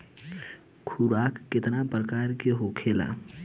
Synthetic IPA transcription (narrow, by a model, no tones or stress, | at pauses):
kʰuɾaːkːɪt̪napɾəkaːɾkeɦokʰela̰